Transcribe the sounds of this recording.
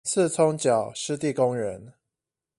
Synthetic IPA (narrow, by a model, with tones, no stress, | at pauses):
t͡s̩ʰ˥˨t͡sʰɔ˦ŋt͡ɕjɑ˨˩ʊʂɻ̩˥˧t̪i˥˨kʊ˦ŋɻə˨˦n